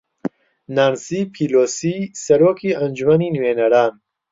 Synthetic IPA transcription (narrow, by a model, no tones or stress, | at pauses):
nansipʰiloːsisɐɾoːkʰiɐnd͡ʒumɐninuweːnɐɾaːn